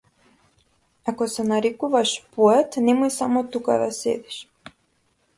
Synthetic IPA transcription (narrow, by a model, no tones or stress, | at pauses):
akɔsɛnaɾikuvaʃpɔɛt̪nɛmuisamɔt̪uka̰vɛsɛ̰d̪iʃ